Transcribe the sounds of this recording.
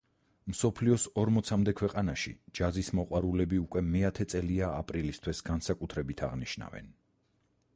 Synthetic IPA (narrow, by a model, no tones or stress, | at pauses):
msɔpʰliɔsɔɾmɔt̪sʰamd̪ɛkʰwɛqʼanaʃḭd͡ʒazismɔqʼwaɾulɛbiukʼwɛmɛat̪ʰɛt̪sʼɛliaapʼɾilist̪ʰwɛsɡansakʼut̪ʰɾɛbit̪ʰaʁniʃna̰vɛ̰n